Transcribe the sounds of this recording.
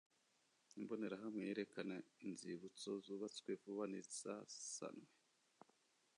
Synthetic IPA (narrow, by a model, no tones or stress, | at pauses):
imbo̞ne̞ɾaɦamŋejeɾe̞kanainziβut͡sozuːβat͡skwevuβanisa̰sa̰nwe